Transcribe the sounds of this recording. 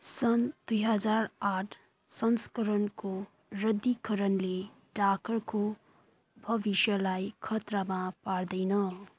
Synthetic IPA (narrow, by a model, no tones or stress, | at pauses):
sʌnd̪ujɦʌd͡zaraʈʰ | sʌnskʌɾʌnko | rʌd̪ːikʌɾʌnle | ɖakʌrko | bʱʌbisjʌlajkʰʌt̪ramapard̪ʌjnʌ